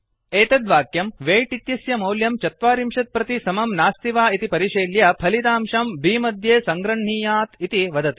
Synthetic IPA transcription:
eːt̪ɐd̪ʋaːkjɐmʋeːʈit̪jɐsjɐmɐwljɐmt͡ʃɐt̪ʋaːɾimʃɐt̪̚pɾɐt̪isɐmɐmnaːst̪iʋaːit̪ipɐɾiʃeːljɐpʰɐlit̪aːmʃɐmbʱiːmɐd̪ʱjeːsɐŋɡɾɐɳɳiːjaːt̪it̪iʋɐd̪ɐt̪i

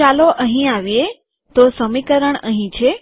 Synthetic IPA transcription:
aloʔəɦĩaʋije | t̪osəmikəɾəɳ̃əɦĩt͡ʃʰe

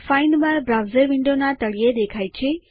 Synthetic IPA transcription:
fainmãbɾawzəɾʋɪɳɖonat̪əɭijed̪ekʰajt͡ʃʰe

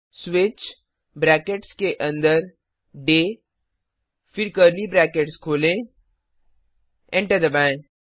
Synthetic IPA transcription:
swɪt͡ʃ | bɾɛːkeʈskeʔɐ̃nd̪əɾ | ɖeː | fɪɾkəɾlibɾɛːkeʈskʰoːlẽ | ɛ̃ɳʈəɾd̪ɐbɛ̃

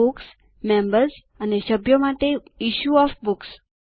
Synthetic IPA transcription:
uks | mẽmbəɾs | aneɕəbjɔmat̪eiɕuɔfbuks

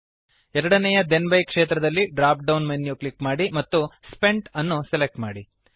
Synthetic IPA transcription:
ɛɾɐɽɐnɛjɐd̪enbɐjkʂeːt̪ɾɐd̪ɐlːiɖɾaːp̚ɖɐwnmenjuklikmaːɽimɐt̪ːuspe̞ɳʈɐnːuselek̚ʈmaːɽi

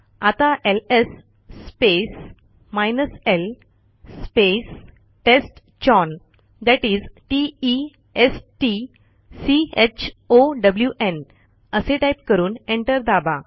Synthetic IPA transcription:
at̪aʔelesː | pes | majnəsel | spes | ʈesʈ | t͡ɕɔn | d̪ɛʈiːd͡zʈii | esʈi | siet͡ɕʰoɖəbljuʔen | əseʈajp̚kəɾuːnẽɳʈəɾd̪aba̰

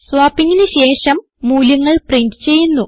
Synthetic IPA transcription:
sʋaːpːiŋːinɨɕe̞ːʂɐmːuːluŋːɐɭprindɨt͡ɕe̞jːunːu

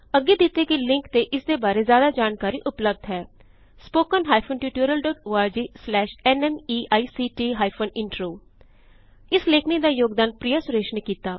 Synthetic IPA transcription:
əɡːeːd̪ɪt̪eːkɪlɪ̃ŋkt̪eːʔɪsd̪eːbaːɾeːzjaːd̪aːd͡ʒaːnkaːɾiːʔʊpləb̚d̪ɦɛː | spoːkənɦaːjpʰənʈjuːʈuːɾəlɖɔːʈoːaːɾd͡ʒiːslɛːʃɛnɛmiːʔaːiːsiːʈiːɦaːjpʰonɪɳʈɾoː | ɪsleːkʰniːd̪aːjoːɡd̪aːnpɾijaːsʊɾeːʃneːkiːt̪aː

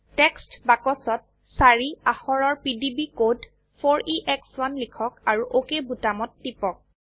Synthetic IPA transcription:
tɛkstbakɔsɔt̚ | saɹiaxɔɹɔɹpidibikod | pʰoɹiʔɛkswanlikʰɔkaɹuʔokebutamɔtːipɔk̚

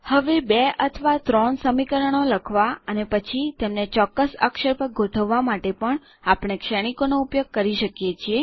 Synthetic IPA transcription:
həʋebeʔət̪ʰʋat̪ɾɔɳsəmikəɾəɳ̃oləkʰʋaənepət͡ʃʰit̪emnet͡ʃɔkːəsə̰kʃəɾpəɡʱoʈʰəʋːamaʈepəɳ | apɽ̃ekʃəɽ̃ikonoupjoɡ̚kəɾiʃəkjet͡ʃʰie

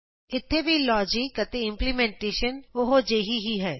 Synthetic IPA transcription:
ɪt̪ʰːeːʋiːlɔːd͡ʒɪkət̪eːɪmplimɛ̃ːɳʈeːʃənʊɦod͡ʒeːɦiɦiɦɛː

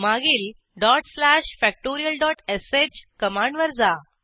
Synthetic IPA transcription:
maɡiːl | ɖɔʈslæɕfæk̚ʈoɾijəlɖɔʈeset͡ɕkəmaɳɖʋəɾd͡za

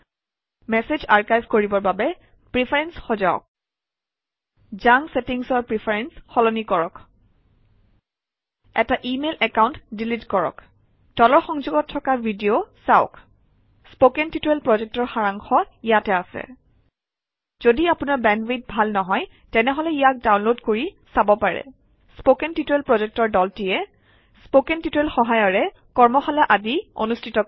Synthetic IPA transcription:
mɛsezaɹkajbʱkoɹibɔɹbabɛ | pɹipʰaɹɛnsxɔzaʊ̰k̚ | zaŋsetiŋsɔɹpɹipʰaɹɛnsxɔlɔnikɔɹɔk | ɛtaʔimelɛkaʊ̃ntdilitkɔɹɔ̰k | tɔlɔɹxɔŋzuɡɔtʰːɔkabʱidiosaʊk | spokɛntituɛlpɹɔzɛk̚tɔɹxaɹaŋxɔijatɛasɛ̰ | z̥odiapunaɹbɛnwet̚bʱalnɔɦɔj | tɛnɛɦɔlɛijak̚dawnlodkoɹisabɔpaɹɛ̰ | spokɛntitɛlpɹɔzɛk̚tɔɹdɔltiɛ | spokɛntitɛlxɔɦajɔɹɛ | kɔɹmɔxalaʔadio̰nustʰitɔ

